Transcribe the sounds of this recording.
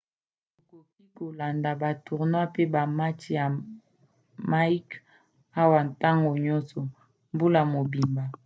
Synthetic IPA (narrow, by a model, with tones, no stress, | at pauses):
o˨ko˨k̚i˦ko˨la˨nda˨ba˨tu˨ʁnwa˦pe˦ba˨ma˦ti˨ja˨ | ma˦i˦k | a˦wa˨nta˦ŋɡo˨ɲɔ˦nsɔ˨ | mbu˦la˨mo˨bi˨mba˨